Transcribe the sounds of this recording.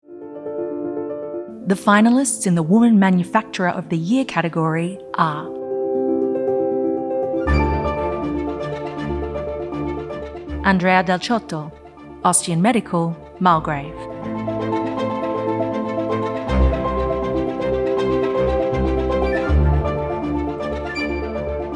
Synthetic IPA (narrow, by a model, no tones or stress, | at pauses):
ðəfãɪ̃nəl̩ˠɪstsɨ̃nðəwʊmə̃nmæ̃njɨfæk̚t͡ʃəɹəʔəvðɨjɪəkʰæɾɨɡɔɹiʔə | ʔə̃ndɹeɪədɛlˠt͡ʃʰɔˑtəlˠ | ɑstiɨ̃nmɛɾɨkʰəlˠ | malˠɡɹeɪv̥